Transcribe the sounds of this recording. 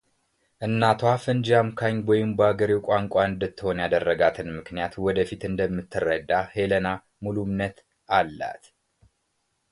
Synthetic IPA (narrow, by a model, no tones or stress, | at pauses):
ʔɨnːat̪ʰoafɨnd͡ʒamkʰaɲwɔjɪmbəaɡəɾiwkʷʼaŋkʷʼaɨnd̪ɨt̪ːɨho̞njad̪ərːəɡat̪ʰɨnmɨknijat̪wɔd̪əfit̪ɨnd̪əmːɨt̪ʰːɨrəd̪ːaheləna | mulumnət̪ | alːa̰t̪